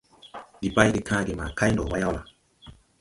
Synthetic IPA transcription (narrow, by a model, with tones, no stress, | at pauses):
di˨ba˦jɡe˨kʰã˦ɡe˨ma˨ka˦jndɔ˨wa˦ja˦wla˨